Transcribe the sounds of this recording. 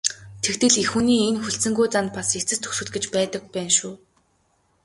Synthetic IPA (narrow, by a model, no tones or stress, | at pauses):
t̪ʰekt̪ɘ̆ɮexuniːenxuɬsɘ̆ŋɡujt͡sant̪paset͡sɘ̆st̪ʰɵ̥xsɵ̆ɮ̚ɡɘ̆t͡ɕpæːt̪ə̆k̚pæːnʃuː